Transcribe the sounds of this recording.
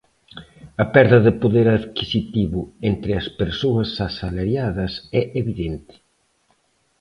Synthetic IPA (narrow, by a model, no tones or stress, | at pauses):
ɐpɛɾðɐðɪpoðeɾɐðkisit̪iβʊent̪ɾɪɐspeɾsoɐsasalaɾjaðɐsɛʔeβiðent̪ɪ̥